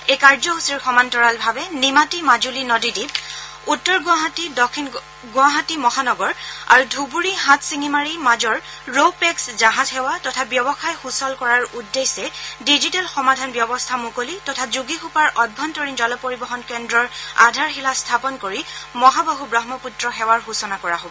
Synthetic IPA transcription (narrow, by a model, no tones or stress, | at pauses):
ekaɹzɔɦusiɹxɔmantɔɹalbʱabɛnimatimad͡ʒulinɔdidip̚ | utːɔɹɡʊ̃aɦatidɔkʰin | ɡʊaɦatimɔɦanɔɡɔɹa̰ɹudʱubuɹiɦãtʰsiŋimaɹimad͡ʒɔɹ | ɹopɛkszaɦatʰhɛwatɔtʰabjɔbɔxajxusɔlkɔɹaɹudːesɛdizitɛlxɔmadʱanbjɔbɔstʰamukolitɔtʰazuɡixupaɹʔɔd̚bʱːɔntɔɹind͡ʒɔlɔpoɹibɔxɔnkɛndɹɔɹadʱaɹxilastʰapɔnkoɹimɔɦabaɦubɹɔɦmɔputɹɔxɛwaɹɦusɔnakɔɹaɦobɔ